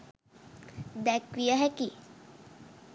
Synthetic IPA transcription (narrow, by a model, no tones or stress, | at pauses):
d̪ækʋijəɦæki